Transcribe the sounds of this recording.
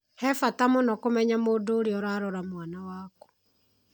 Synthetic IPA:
hɛfatamonɔkomɛɲamoːdoːɾiɔɾaːɾɔɾamwanawaːkɔ̥

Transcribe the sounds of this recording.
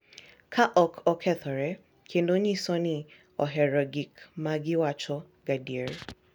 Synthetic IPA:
kʰaʔɔkʰɔkʰɛtɔɾɛ | kʰenoɲisɔnĩ | ɔɦɛɾɔɡikmãɡɪwat͡ʃɔ | ɡadieɾe

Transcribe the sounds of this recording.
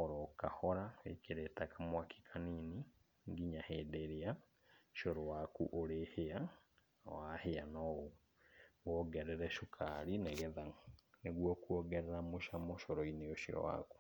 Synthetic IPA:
oɾɔkahɔɾaḛkeɾetakamwakʰi̥kʰanini | ŋɡiɲahedeɾea | ʃoɾowakuʔoɾehea | waheanɔo | ɔɡɛɾɛɾɛʃukʰaɾineɣeðaneɣwɔkuɔɣɛɾɛɾamoʃamoʃoɾɔineoʃiɔ̰wa̰ku̥

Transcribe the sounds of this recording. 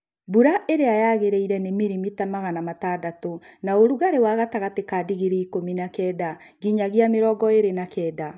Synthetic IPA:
buɾaʔeɾeajaɣeɾeiɾɛnemiɾimitamaɣanamatadatonaoɾuɣaɾewaːɣataɣatekaːdiɣiɾeikominakɛːda | ɡiɲaɣeameɾɔːɡɔeɾenakɛda

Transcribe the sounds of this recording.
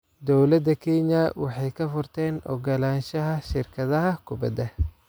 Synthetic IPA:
d̪ɔwlɐd̪ɐkʰɛɲɐwɑħɑjkʰɐfʊrt̪ʰɛːnɔ̰ɡɐlaːnʃɐɦɐʃɪrkʰɐðɐɦɐkʰʊbɐ̰d̪ɐ

